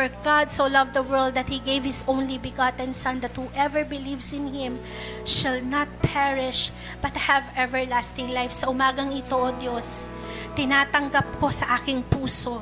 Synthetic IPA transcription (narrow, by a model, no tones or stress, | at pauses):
fɔɹɡad̪solɐvd̪ɐwɛɹld̪ɐt̪̚hiɡejvhɪsõw̃nlibɪɡat̪ɛ̃nsɐ̃nd̪ɐt̪̚huʔɛvɛɹbɪlivsɪ̃nhɪ̃m | ʃɐlnɐt̪̚pʰɛɹɪʃ | b̥ɐt̪̚hɛvɛvɛɹlast̪ɪŋlajfsɐʔʊmaːɡɐŋɪt̪oʔd̪jos | t̪ɪnaːt̪ɐŋɡɐp̚ko̞sɐʔaːkɪŋpuːso